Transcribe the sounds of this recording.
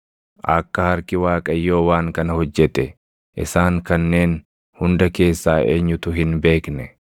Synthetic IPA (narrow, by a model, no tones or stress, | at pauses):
ʔɐkːɐhɐɾkɪwaːkʼɐjːo̞ːwaːŋkɐnɐhɔd͡ʒːɛt̪ɛ | ʔɪ̰saːŋkɐnːe̞ːn | hʊnd̪ɐke̞ːsːaːʔeːɲːʊt̪ʊɦɪnbe̞ːknɛ